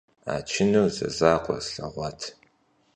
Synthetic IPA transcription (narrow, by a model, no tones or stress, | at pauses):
a̰ːt͡ʃʰɪnuwzɐ̰zaːqʷʼɔ̰ɬɐʁʷɑtʰ